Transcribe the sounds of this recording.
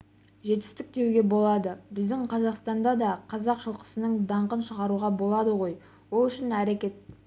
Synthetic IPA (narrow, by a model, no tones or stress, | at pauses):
ʒe̞t̪ɪ̥st̪ɪk̚d̪e̞wɡʲe̞bo̞lˠɑd̪əbɪzd̪ɪŋqʰɑzɑqst̪ɑnd̪ɑd̪ɑqʰɑzɑqʃəlˠqə̥sənəɴd̪ɑɴqənʃəʁɑɾuʁɑbo̞lˠɑd̪əʁo̞j | wo̞lˠʏʃɪnæɾekʲe̞t̪̚